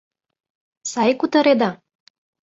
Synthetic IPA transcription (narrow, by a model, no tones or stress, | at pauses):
sɑjkut̪ɤ̆ɾed̪ɑ